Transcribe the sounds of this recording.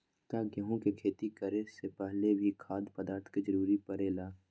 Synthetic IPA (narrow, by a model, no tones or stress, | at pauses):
t̪aːɡəɦõkekʰeːt̪ikɐɾesepɛɦlebʱikʰaːd̪pəd̪aːɾt̪ʰkid͡ʒəɾuːɾipəɾeːlaː